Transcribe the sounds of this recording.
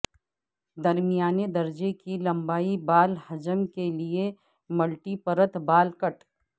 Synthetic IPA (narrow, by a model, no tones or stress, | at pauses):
d̪ɐɾmijaːned̪ɐɾd͡ʒekilɐ̃mbaːibaːlhɐd͡ʒəmkelie | mɐlʈipəɾət̪baːlkəʈ